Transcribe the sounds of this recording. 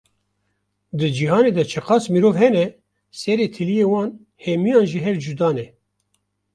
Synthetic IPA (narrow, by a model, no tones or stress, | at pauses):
d̪ɨd͡ʒiɦɑːneːd̪ɛt͡ʃʰɨqɑːsmiɾoːvhɛnɛ | sɛɾeːt̪ʰɨlijeːwɑːn | hɛmijɑːnʒiɦɛvd͡ʒud̪ɑːnɛ